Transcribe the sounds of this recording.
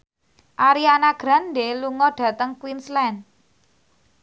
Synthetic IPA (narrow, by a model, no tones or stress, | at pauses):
ʔaɾianaɡ̥ɾandeluŋɔɖ̥ä̤t̪əŋkwinslɛn